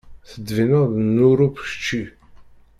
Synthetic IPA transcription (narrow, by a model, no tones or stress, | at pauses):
θəd̪ːvinəʁðnuɾupʃt͡ʃːi